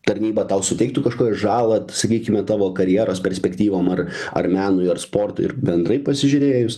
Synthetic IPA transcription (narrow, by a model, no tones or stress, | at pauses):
t̪ɐɾʲnʲiːbɐt̪ɐʊsʊt̪ʲɛɪk̚t̪ʊkɐʃkoːjʲɛʒɑːlˠɐtsɐkʲiːkʲɪmʲɛt̪ɑːʋoːkɐɾʲjeːɾoːspʲɛɾʲsʲpʲɛkt̪ʲiːʋoːmɐrɐ̰rmʲæːnʊjɐrspoːrt̪ʊ̰ɪɪ̰ɾbʲɛnd̪ɾɐɪpɐsʲɪʒʲʊɾʲeːjʊs